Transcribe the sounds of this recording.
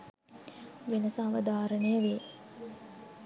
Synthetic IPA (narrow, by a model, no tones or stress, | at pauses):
ʋenəsaːʋəd̪aːɾənejəʋeː